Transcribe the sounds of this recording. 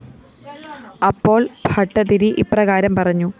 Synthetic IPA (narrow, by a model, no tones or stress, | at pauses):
ɐpːo̞ːɭbʱɐʈːɐt̪iɾiʔiprɐɣaːɾɐmpɐrɐɲːu